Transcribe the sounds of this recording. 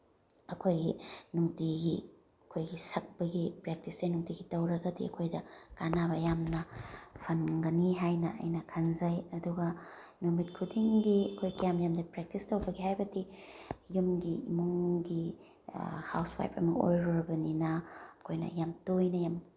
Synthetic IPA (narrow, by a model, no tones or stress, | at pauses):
ɐkʰojɡinuŋtiɡi | ɐkʰojɡisɐk̚pɐɡipɾek̚tisdɐjnuŋtiɡitɐwɾɐɡɐdḭɐ̰kʰojdɐkanaβɐjamnɐpʰɐnɡɐniɦajnɐɐ̰jnɐkʰɐnzɐjɐduɡɐ | numit̚kʰudiŋɡiɐkʰojkijamjamdɐpɾek̚tistɐwbɐɡihajbɐdijumɡiːmuŋɡi | ha̰wswa̰jpɐ̰mɐʔo̰jɾoɾɐbɐninɐɐkʰojnɐ̰jamtojnɐjam